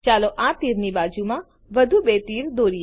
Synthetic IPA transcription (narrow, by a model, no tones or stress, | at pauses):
t͡ʃaloʔãtt̪iɾnibaːd͡ʒumã | ʋəd̪ʱubet̪iːɾd̪oːɾi